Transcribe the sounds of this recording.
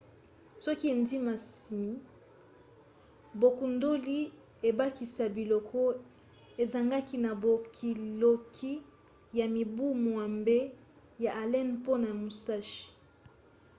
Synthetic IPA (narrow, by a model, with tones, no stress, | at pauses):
sɔ˦ki˦e˨ndi˦ma˨si˨mi˨ | bo˨ku˨ndo˦li˦ | e˨ba˦ki˨sa˨bi˨lɔ˨kʰɔ˦ | e˨za˨ŋɡa˦ki˦na˨bo˨kʰi˨lo˨kʰi˦ | ja˨mi˨bu˦mwa˨mbe˦ | ja˨ʔa˨lɛ˦npo˦na˨mu˨sa˦ʃi̥˨